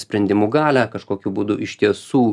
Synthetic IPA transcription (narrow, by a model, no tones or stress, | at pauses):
sʲpʲɾʲɛnʲd̪ʲɪmuːɡɑːlʲækɐʃkoːkʲubud̪ʊʔɪʃʲt̪ʲiɛsuː